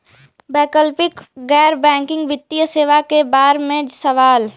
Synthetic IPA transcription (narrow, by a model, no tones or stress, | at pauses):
bɛːkəlpɪkɡɛːɾbɛ̃ːŋkɪ̃ŋɡʋɪt̪ːijəseːʋakebaːɾmẽd͡ʒsɐʋaːl